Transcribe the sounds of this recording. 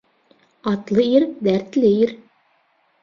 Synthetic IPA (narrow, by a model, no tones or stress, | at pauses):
ɑt̪lˠɤiɾd̪æɾt̪lɘiɾ